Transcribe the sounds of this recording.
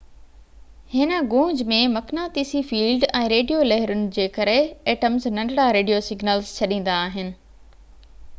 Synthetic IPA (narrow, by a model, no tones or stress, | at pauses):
hɪnə̆ɡõːɲd͡ʑmẽmɐknaːt̪iːsifiːlɖɛ̃ːɾeːɖijolɛɦɪɾʊnɪ̆d͡ʑeːkɐɾeeːʈəmznɐ̃ɳɖɽaɾeːɖijosɪɡnəlzt͡ɕʰɐɗĩːn̆d̪aːɦɪnɪ̆